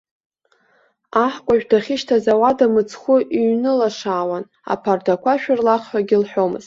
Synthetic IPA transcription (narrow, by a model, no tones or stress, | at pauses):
aħkʷʼaʒᶣdaχʲɪʃtʰazawadamɨt͡sʰχʷʊʔiɥnɨlaʂaːwan | a̰pʰardakʷʰaʃᶣarlaχħaɡʲɪlħʷᶣo̞mɨ̰z̥tʼ